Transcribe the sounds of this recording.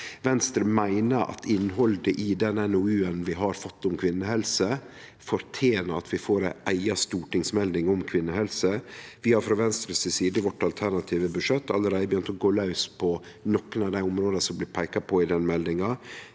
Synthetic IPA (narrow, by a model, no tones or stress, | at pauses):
ʋɛnst̪ɾəmæɪnəɾɑ̰t̪ʰɪnːɦɔld̪əʔɪd̪ɛnɛnɔʉːənʋɪɦɑɾfɔt̪ːʊmkʰʋɪnːəhɛlsə | fɔɾt̪ʰjeːnəɾɑt̪ʰʋɪfoːɾæʔæɪɑst̪uːʈɪŋsmɛld̪ɪŋɔmkʰʋɪnːəhɛlsəʋɪhɑɾfɾɑʋɛnst̪ɾəsɪsiːd̪əʋɔʈːɑlt̪ʰæɾɳɑt̪ʰiːʋəbʉʂɛt̪ːɑlːəɾæɪd̪əbjʏnt̪ɔɡoːlɑʉspʰɔ | nɔkːənɑʋd̪æɪʊmɾoːd̪əsɔmblɪːpʰæɪkɑpʰɔɪd̪ɛnmɛld̪ɪŋɑ